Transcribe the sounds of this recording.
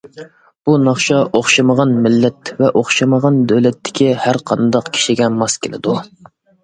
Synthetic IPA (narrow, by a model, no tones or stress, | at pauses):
b̥unɑχʃɑʔoχʃɑməʁɑnmɪlːɛt̪vɛʔoχʃɑməʁɑnd̪øwlɛt̪ʰːɪ̥kʲʰihæɾqʰɑnd̪ɑqkʲʰi̥ʃiɡʲɛmɑskʲʰelɪd̪u